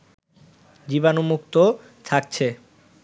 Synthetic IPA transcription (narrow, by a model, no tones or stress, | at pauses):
d͡ʑibanomuk̚t̪o | t̪ʰak̚t͡ɕʰe